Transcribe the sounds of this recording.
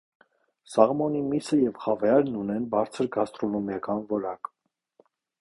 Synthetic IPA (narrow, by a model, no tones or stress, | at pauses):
sɑʁmɔnimisəjɛvχɑvɑjɑɾnunɛnbɑɾt͡sʰəɾɡɑst̪ɾɔnɔmjɑkɑnvɔɾɑk